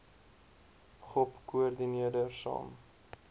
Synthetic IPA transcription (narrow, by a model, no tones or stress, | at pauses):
χɔpkuərdiniədərsɑ̰ːm